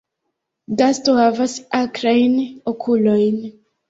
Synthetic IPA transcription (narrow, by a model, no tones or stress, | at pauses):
dastohavasakɾajnokʰulo̞jn